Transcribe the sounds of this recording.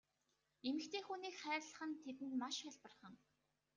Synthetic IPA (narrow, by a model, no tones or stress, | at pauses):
emɘ̆kt̪ʰeːxuːniːkχæːrɮə̆χə̆nt̪ʰet̪ɘ̆nt̪maʃaɮpə̆rχə̆ŋ